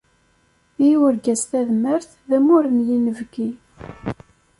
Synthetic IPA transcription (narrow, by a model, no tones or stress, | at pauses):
iwəɾɡæsθæðməɾθ | ðæmʊɾənjinəvɡi